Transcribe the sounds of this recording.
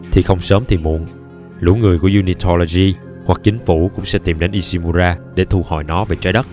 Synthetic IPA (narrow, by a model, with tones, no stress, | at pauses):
t̪ʰi˨˩xə˧wŋ͡msəː˨˦mt̪ʰi˨˩mṵ˧˨ən | lṵ˧˩˥ŋɨ˨˩əjku˧˩əzu˧ni˧t̪ʰo˧lo˧zi˧ | hwa˨˩k̚t͡ɕï˨˦ŋ̟fu˧˩kʊ̰˧˥ŋ͡msɛ̰˧˥t̪i˨˩mɗe˨˦nʔi˧si˧mu˧zaː˧ɗe˧˩t̪ʰu˧˩hɔ̰˧˩˨jnɔ˨˦ve˨˩t͡ɕaː˨˦jɗə˦˥t̚